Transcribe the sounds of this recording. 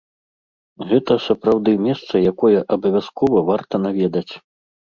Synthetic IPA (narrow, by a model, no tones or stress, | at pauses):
ɣɛt̪ɐsɐpɾawd̪ɨmʲɛst̪sɐjakɔjɛʔɐbɐvʲaskɔvɐvart̪ɐn̪avʲɛd̪ɐt͡sʲ